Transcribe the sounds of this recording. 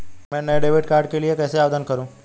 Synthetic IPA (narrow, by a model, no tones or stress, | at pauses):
mɛ̃nəɖeʋiʈkaɾɖkeliekɛseaʋd̪ʱənkəɾũː